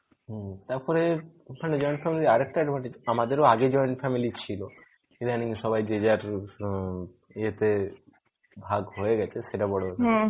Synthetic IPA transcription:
ɦt̪aɾpɔɾe | maned͡ʑɔjɳʈfɛmiliaɾɛk̚ʈaɖmaneamad̪eɾoaɡed͡ʑɔeɳʈfɛmilit͡ɕʰilo | d̪aniŋʃɔbajd͡ʑed͡ʑaɾ | eɦet̪e | bʱaɡɦoeɡɛt͡ɕʰeʃeʈabɔɽo

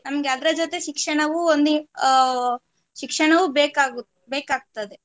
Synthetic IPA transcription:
nɐmɐɡeɐd̪ɾɐd͡ʒot̪e̞ʃikʂɐɳɐʋuond̪ | ʃikʂɐɳɐʋubeːkaːɡu | beːkaːɡ̚t̪ɐd̪e̞

